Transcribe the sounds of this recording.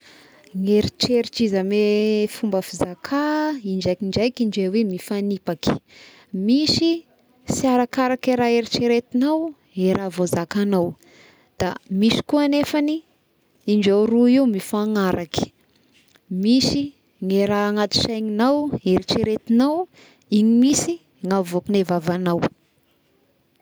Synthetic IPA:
ŋeɾit͡ʃeɾit͡ʃizamefumbəfizakʰaind͡ʒakiɳd͡ʒajkiɳd͡ʒawemifanipaki̥ | miʃi | siaɾakaɾakeɾaeɾit͡ʃiɾet̪inaw | eɾʔavozakanaw | d̪̥a̰miʃi̥kuanefani | iɳd͡ʒawɾuiwmifaŋaɾʔaki̥ | misi | ŋeɾaːŋat̪i̥ʃajŋinaweɾit͡ʃiɾet̪inaw | iɲimisi | ŋavuakinevavanaw

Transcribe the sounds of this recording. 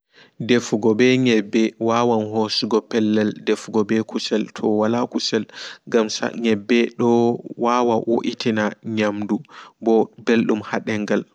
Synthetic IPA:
defuɡɔbɛɲɛbːɛwawanɦosuɡɔpɛlːɛldefɡɔbɛkusɛltʰɔwalakusɛlŋɡamsa̰ɲɛbːɛɗɔwawawo̰ʔitʰinaɲamdubɔbelɗumhaɗɛŋɡal

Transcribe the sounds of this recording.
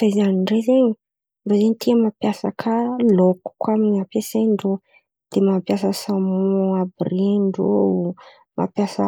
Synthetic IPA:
zaizaniɳɖ͡ʐezeɲi | nɖ͡ʐozeɲit̪ʰiamapjasa̰kʰəloku̥kwamiɲapeseɳɖ͡ʐo | d̪̥emapjasəsamuabreɳɖ͡ʐo | mʔa̰pjasə̰

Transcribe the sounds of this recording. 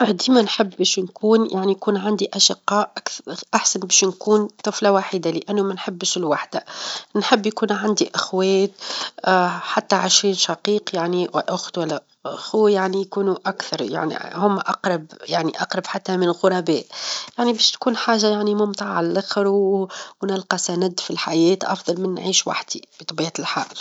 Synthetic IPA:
ʔʕd̪imænħɪbːɛːʃnkuːnjaʕnijkuːnʕand̪iʔaʃɪqːɑːʔʔkʔaħsanbɛːʃnkuːnt̪ˤɨflawaħid̪alɪʔænːʊmænħɪbːʃlwaħd̪ænħɪbːjkuːnʕand̪iʔɪxwɛːt̪̚ | ħat̪ːaʕɪʃɾiːnʃɑqiːqjaʕniwʔʊxt̪wælːæ | xuwjaʕnijkuːnuʔakθɑɾˤja̰ʕnḭhʊmːʔɑqɾˤɑbjaʕniʔɑqɾˤɑbħat̪ːæmɪnɣʊɾˤɑbɛːt̪jaʕnibɛːʃt̪kuːnħaːʒːajaʕnimʊmt̪ˤɑʕʕalælʔaxɾwwnɪlqɑsænɪd̪ːfilħajɛːt̪ʔɑ̰fðˤɑlmɪnːʕiːʃwa̰ħd̪ibit̪ˤɑbiːʕalħa̰ːʔl

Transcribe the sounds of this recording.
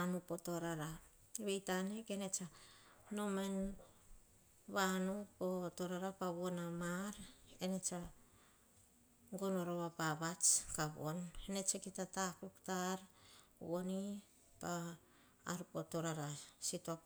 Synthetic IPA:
anupo̞to̞ɾaɾa | βejtanekene̞t͡ʃano̞me̞n | βanupoto̞ɾaɾapaβonamaɾene̞t͡ʃa | ŋɡonoɾoβapaβat͡ʃkaβo̞̰nene̞t͡ʃekitatakuktaɾβoni | pa̰ː | ɾupoto̞ɾaɾasitoap

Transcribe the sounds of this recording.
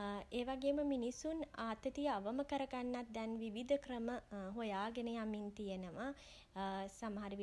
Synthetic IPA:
eːʋaɡeːməminisunaːt̪ət̪iəaʋəməkəɾəɡanːat̪̚d̪ɛnʋiʋid̪ʱəkrəməɦojaːɡenəjamint̪ijenəʋa | saməɦaɾiʋi

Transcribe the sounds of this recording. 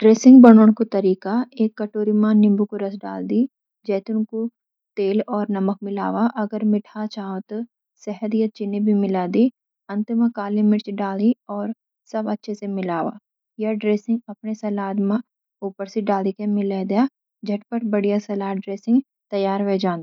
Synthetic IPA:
ɖɾeːsɪ̃ŋɡbɐɽ̃oːɽ̃kot̪ɐɾiːkaeːkːɐʈoːɾimãnɪ̃mbukoɾɐsɖa̰ːld̪i | d͡ʒɛːt̪ʊnko | t̪eːlɔːɾnɐmək̚mɪla̰ːwaʔɐɡəɾmɪʈʰat͡ʃaːõt̪ | sɛɦəd̪jɐt͡ʃɪnebʱimɪlaːd̪i | ɐ̃nt̪ɪmãkaːlimɪʈt͡ʃɖaːliɔːɾ | sɐbɐtːʃʰesemɪlaːʋa̰ | jɐɖɾeːsɪ̃ŋɡɐpnesɐlaːd̪mã | uːpəɾseɖaːlikemɪled̪eja | d͡ʒɐʈpəɾbəɽijasɐlaːɖɾeːsɪ̃ŋɡ | t̪ɐjaːɾʋed͡ʒãːnd̪

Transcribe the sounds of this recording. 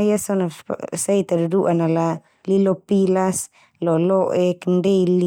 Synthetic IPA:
jasonasajt̪aduduʔanala | lilopilas | loloʔekndejli

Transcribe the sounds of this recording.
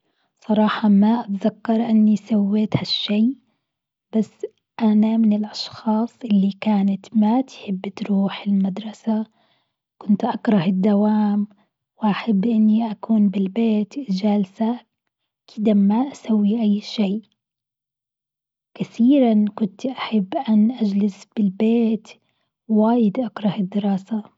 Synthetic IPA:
sˤɑɾˤɑːħɑmaʔat̪zakːɑɾˤʔɪnːisawːeːt̪haʃːeː | b̥asː | ʔanamɪnɪlʔɑʃxɑːsˤʔɪlːikaːnat̪mat̪ħɪbːt̪ɾuːħɪlmad̪ɾˤɑsa | kʊnt̪ʔakɾˤɑhɪd̪ːawaːm | wɪʔaħabːʔɪnːiʔakuːnbɪlbeːt̪d͡ʒalsa | kʰɪd̪amaʔasawːiʔajːʃeːʔ | kaθiːɾankʊnt̪ʔaħabːʔanʔad͡ʒlɪsb̥ɪlbeːt̪ | waːjɪd̪ʔakɾˤɑhɪd̪ːɪɾɑːsa

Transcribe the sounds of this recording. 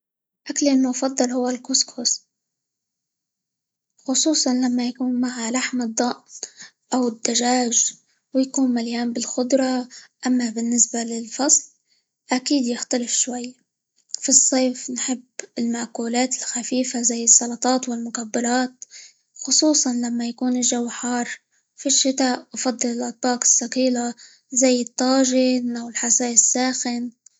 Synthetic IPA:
ʔaklɪlmʊfɑd̪ˤːɑlhʊwːalkʊskʰʊs | xʊsˤuːsˤɑnlamːajakuːnmaʕalaħmɨd̪ˤːɑʔ | ʔawɪd̪ːaʒaːʒ | wjakuːnmaljaːnbɪlxʊd̪ˤɾˤɑʔamːabɪnːɪsbalɪlfɑsˤl | ʔakiːd̪jɪxt̪alɪfʃwajː | fisˤːeːfnħɪbːɪlmaʔkuːlaːt̪ɪlxafiːfazajːɪsˤːɑlɑt̪ˤɑːt̪wɪlmʊkabːɑɾˤɑːt̪̚ | xʊsˤuːsˤɑnlamːajakuːnɪʒawħɑːɾˤ | fiʃːɪt̪aːʔwfɑd̪ˤːɨlɪlʔɑt̪̚bɑːqɪ̥sːaqiːla | zajːɨt̪ˤːɑːʒɪnʔawɪlħasaːɪsːaːxɪn

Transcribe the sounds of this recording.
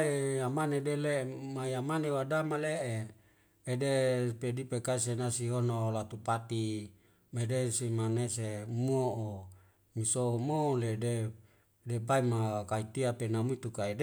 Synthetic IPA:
ejamanedelemajamanewadamaleʔeː | depedipekaisenasiɦonolat̪upat̪i | medesimanesemuoʔo | misomolede | depaimakait̪iapenamuit̪ukaede

